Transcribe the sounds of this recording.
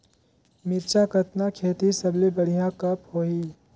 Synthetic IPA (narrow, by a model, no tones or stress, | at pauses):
mɪɾt͡ʃakət̪nakʰeːt̪isɐblebəɽ̤ijãkɐphoːiː